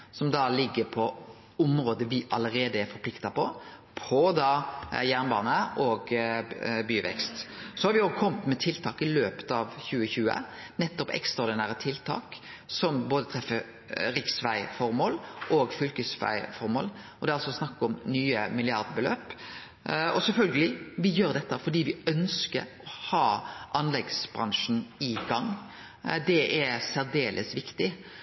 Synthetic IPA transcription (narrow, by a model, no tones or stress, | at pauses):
sɔmd̪ɑlɪɡːəpʰɔ | ʊmɾoːd̪əʋɪʔɑləɾeːd̪əæɾfɔɾpʰlɪkt̪ɑpʰɔ | pʰɔd̪ɑːjæʁnbɑːnəɔːɡ | byːʋɛ̰kst̪sɔhɑɾʋɪɔkʰɔmt̪mɛt̪ʰɪlt̪ʰɑːkɪløːpə̥t̪ɑːʋçʉːəçʉːə̰ | nɛt̪ːɔpɛ̰kst̪ʁɑɾd̪ɪnæːɾət̪ʰɪlt̪ʰɑ̰ːksɔmboːd̪ət̪ʰɾɛfːəɾ | ɾɪksʋæɪfɔɾmoːlʔoːɡfʏlkəsʋæ̰ɪfɔɾmo̰ːlʔɔd̪ɛːɑlsɔsnɑkːɔmnyːəmɪlɪɑɾd̪bəlø̰ːp | ɔsɛlfœlɡəlɪʋɪjøːɾd̪ɛt̪ːəfɔdiːʋɪœnskə̰ɾɔhɑːʔɑnlɛɡsbɾɑŋʂn̩ɪɡɑŋː | d̪ɛʔæɾsæɾd̪eːlʔə̰sʋɪkt̪ɪ